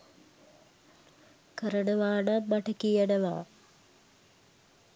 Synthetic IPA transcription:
kəɾənəʋaːɳamaʈɐkijənəʋa̰ː

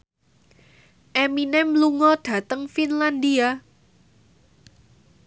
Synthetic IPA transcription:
ʔeminɛmluŋɔd̪̥ä̤t̪əŋfinland̪ia

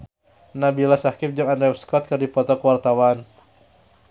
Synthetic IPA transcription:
nabilasakɪp̚d͡ʒaŋandɛfskɔt̪̚kɨrdipɔt̪ɔkəwart̪awan

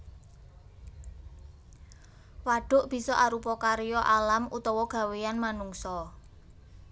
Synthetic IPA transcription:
waɖ̥ʊ̤ʔb̥i̤sɔʔaɾupɔkaɾjɔʔalamut̪ɔwɔɡ̥a̤weanmanuŋsɔ

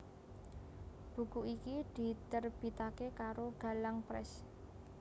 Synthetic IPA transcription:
b̥ṳkuʔikid̪̥i̤t̪ərb̥i̤t̪akekaɾoɡ̥a̤laŋpɾɛ̰s

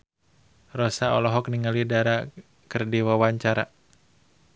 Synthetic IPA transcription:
rɔsaɔ̰lɔɦɔk̚niŋalidaɾa | kərdiwawaɲt͡ʃaɾa̰

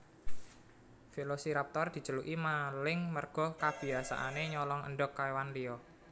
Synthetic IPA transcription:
felosiɾap̚t̪ɔrd̪̥i̤̥t͡ʃəluʔimalɪŋmərɡ̥ɔ̤kab̥i̤asa̰ʔaneɲɔlɔŋə̰nɖʊkːaewanliɔ

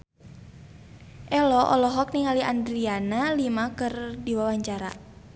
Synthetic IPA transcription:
ʔɛlɔʔɔ̰lɔɦɔk̚niŋaliʔandɾianalimakɨrdiwawaɲt͡ʃaɾa̰

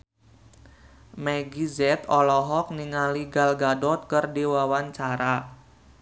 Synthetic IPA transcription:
mɛɡizɛt̪ɔlɔɦɔk̚niŋaliɡalɡadɔt̪̚kɨrdiwawaɲt͡ʃaɾa

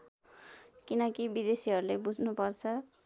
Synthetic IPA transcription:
kinʌkibid̪esiɦʌɾulebud͡zʱnupʌrt͡sʰʌ

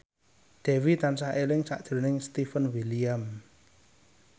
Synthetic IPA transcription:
d̪̥ɛ̤wit̪ansahelɪŋsa̰ʔd̥ʒ̥ə̤ɾnɪŋst̪ifənwiliam

